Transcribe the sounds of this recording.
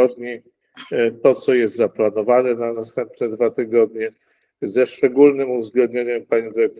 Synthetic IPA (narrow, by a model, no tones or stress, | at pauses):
ɔd̪ɲi | t̪ɔt̪sɔjɛst̪zaplanɔvanɛnanast̪ɛmpnɛd̪vat̪ɘɡɔd̪̚ɲɛ | zɛʂt͡ʂɛɡulnɘmuvzɡlɛnd̪ɲeɲɛmpaɲĩd̪ɘɾɛk̚t̪